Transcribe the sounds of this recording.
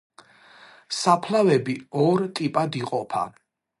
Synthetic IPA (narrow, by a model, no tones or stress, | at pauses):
sapʰlavɛbiɔɾt̪ʼipʼad̪iqʼɔpʰa̰